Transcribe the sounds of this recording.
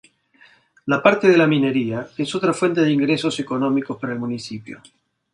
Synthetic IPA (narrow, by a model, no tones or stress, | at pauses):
lapaɾt̪eðe̞lamine̞ɾiaeso̞t̪ɾafwe̞nt̪e̞ðeiŋɡɾe̞so̞seko̞no̞miko̞spaɾaelmunisipjo̰